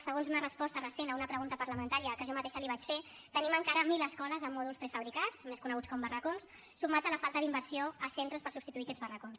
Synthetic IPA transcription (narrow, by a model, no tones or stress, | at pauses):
səɣonzunərəspɔst̪ərəsenəunəpɾəɣunt̪əpəɾləmənt̪aɾiəkəʒɔmat̪eʃəliβat͡ʃfe | t̪əniməŋkaɾəmiləskɔləzəmːɔðulˠspɾɛfəβɾikat͡smeskunəɣut͡skɔmbərəkonsː | umad͡zələfalˠt̪əðimbəɾsioəsent̪ɾəspəɾsubpst̪it̪uikɛd͡zβərəkons